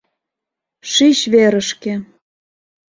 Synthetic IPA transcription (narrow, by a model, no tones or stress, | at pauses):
ʃiɕβeɾə̆ʃke